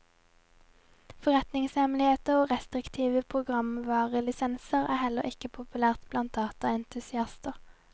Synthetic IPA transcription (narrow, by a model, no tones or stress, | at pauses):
fɔʁɛt̪nɪŋshɛmlɪheːt̪əʁoːʁɛst̪ʁɪkt̪ʰiːʋəpʰʁʊɡʁɑmʋɑːʁəlɪsɛnsəʁæːhɛləʁɪkəpʰʊpʉlæːʁt̪b̥lɑnt̪̚d̪ɑːt̪ɑɛnt̪ʉsɪɑst̪əʁ